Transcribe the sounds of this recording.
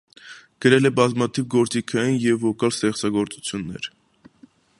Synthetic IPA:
ɡ̥əɾɛlɛbɑzmɑt̪ʰivɡɔɾt͡sikʰɑjinjɛvɔkɑlst̪ɛχt͡sɑɡɔɾt͡sut͡sʰjunːɛ̰ɾ

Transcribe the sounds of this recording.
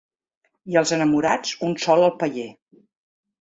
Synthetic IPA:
iəlˠzənəmuɾat͡sunsɔləlˠpəʎe

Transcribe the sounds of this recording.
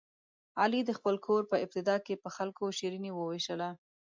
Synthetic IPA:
ɑlid̪əxpəlkʰoɾpəɪb̚t̪ɪd̪ɑkepəxalkoʃiɾiniwəweʃəla

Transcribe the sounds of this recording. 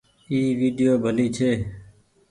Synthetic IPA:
iːʋiːɖijoːbʱəliːt͡ʃʰeː

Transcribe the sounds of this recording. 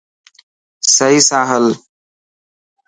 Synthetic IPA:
səɦiːsãːɦəl

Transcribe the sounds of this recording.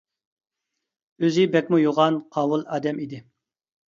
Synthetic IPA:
øzɪbɛkʲmujoʁɑnqʰɑːwulˠɑːd̪ɛmid̪ɪ

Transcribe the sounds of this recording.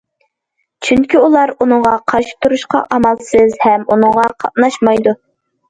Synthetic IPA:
t͡ʃʰyŋkʲʰiulˠɑɾunɨŋʁɑqʰɑʃi̥p̚t̪ʰːuɾuʃqɑ̰ʔɑmɑlˠsɨzhɛmunɨŋʁɑqʰɑʔnɑʃmɑjd̪u

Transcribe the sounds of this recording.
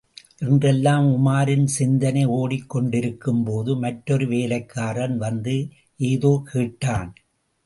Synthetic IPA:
ʔɛndrɛlːaːmʊmaːɾɪnsɪnd̪ɐnɐɪoːɽɪkːɔɳɖɪɾɯkːɯmpoːðɯmɐʈːɔɾɯʋeːlɐɪkːaːɾɐnʋɐnd̪ɯ | ʔeːðoːkʰiːʈːaːn

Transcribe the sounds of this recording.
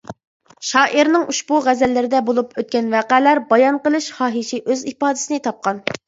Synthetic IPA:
ʃɑːʔiɾnɪŋʔuʃbuʁæzɛlːɪɾɪd̪ɛbolˠupʰøt̪̚kʲɛnvæːqælæɾbɑjɑnqəlˠɨʃχɑːɦiʃiʔøzipɑːd̪ɪ̥sɪnɪt̪ʰɑp̚qɑn

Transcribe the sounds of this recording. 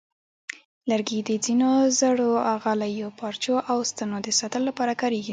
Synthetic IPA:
laɾɡid̪əd͡zinozəɽoaɣalajopɑɾt͡ʃoʔawst̪ənod̪əsɑt̪əlolapɑɾakɑɾeɡi

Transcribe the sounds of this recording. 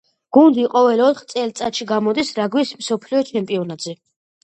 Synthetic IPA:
ɡ̥und̪iqʼɔvɛlɔt̪ʰχt̪sʼɛlt̪sʼat̪ʃiɡamɔd̪isɾaɡwismsɔpʰliɔt͡ʃʰɛmpʼiɔnad̪zɛ

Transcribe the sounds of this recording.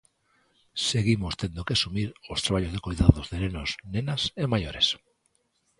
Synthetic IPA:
seɣimost̪end̪okeasumiɾost̪ɾaβ̞aʎozðekojðaðozðenenosnẽnasemajoɾes

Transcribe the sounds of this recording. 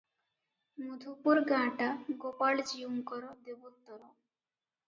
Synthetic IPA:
mud̪ʱupuɾɡãʈaɡopaɭd͡ʑiumkɔɾod̪ebot̪ːɔɾo

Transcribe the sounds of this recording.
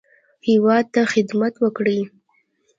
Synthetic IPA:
hɪwɑd̪̚t̪axɪd̪mat̪wəkɽi

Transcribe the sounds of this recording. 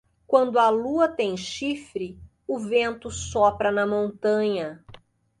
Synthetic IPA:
kwɐ̃nd̪ʊɐluɐt̪ẽj̃ʃifɾɪ | ʊvẽnt̪ʊsɔpɾɐnɐmõnt̪ɐ̃ɲɐ

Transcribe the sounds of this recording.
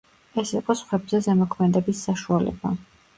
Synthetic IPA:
ɛsiqʼɔsχwɛbzɛzɛmɔkʰmɛd̪ɛbisːaʃualɛ̰ba̰

